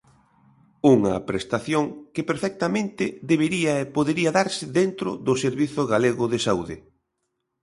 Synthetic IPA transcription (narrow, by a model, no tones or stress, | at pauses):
uŋɐpɾest̪aθjoŋkɪpeɾfɛk̚t̪amẽnt̪ɪðeβeɾiɐepoðeɾiɐðaɾsɪðent̪ɾʊ̰ðʊseɾβiθʊɣaleɣʊðesauðɪ